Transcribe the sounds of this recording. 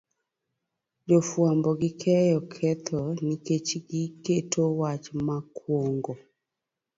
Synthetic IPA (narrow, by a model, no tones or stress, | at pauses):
d͡ʒofwambɔɡikʰɛjɔkʰɛt̪ʰɔniket͡ʃiɡiketʰowat͡ʃmakʰwoŋɡɔ